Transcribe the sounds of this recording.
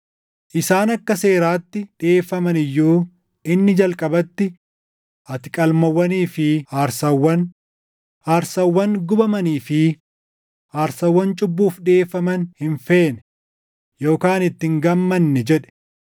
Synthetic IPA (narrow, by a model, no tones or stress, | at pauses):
ʔɪsaːnɐkːɐse̞ːɾaːt̪ːɪᶑɪeːfːɐmɐnɪjːuː | ɪnːɪd͡ʒɐlkʼɐbɐt̪ːɪ | ʔɐt̪ɪ̥kʼɐlmɐwːɐniːfɪaːɾsɐwːɐn | aːɾsɐwːɐŋɡʊbɐmɐniːfɪ | aːɾsɐwːɐnt͡ʃʼʊbːuːfᶑɪe̞ːfːɐmɐnhɪnfe̞ːnɛ | jo̞ːkaːnɪt̪ːɪŋɡɐmːɐnːɛd͡ʒɛᶑɛ̥